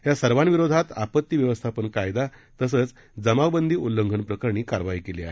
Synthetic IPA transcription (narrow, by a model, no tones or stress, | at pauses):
ɦjasəɾʋanʋiɾod̪ʱat̪apət̪ːiʋjəʋəst̪ʰapəɳkajd̪at̪əsəːt͡s | d͡zəmaʋbənd̪ʱiːʔulːəŋɡʱəɳpɾəkəɾɳ̃iːkaɾʋaiːkeleaɦe